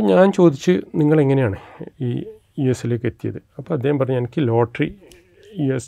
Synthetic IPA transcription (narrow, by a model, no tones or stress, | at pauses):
ɐɲaːnt͡ɕo̞ːd̪it͡ɕːɨniŋːɐɭe̞ŋːɐnejaːɳɨiː | juesːile̞ːkːet̪ːijɐ̰ðɨɐpːoːɐd̪ːeːhɐmpɐrɐɲːuɲɐnɐkʲːɨlo̞ːʈri | jues